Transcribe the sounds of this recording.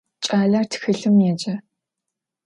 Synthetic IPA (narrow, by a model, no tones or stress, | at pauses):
t͡ʃʼaːɮɐrtʰxɨɬɨmjɛd͡ʒɐ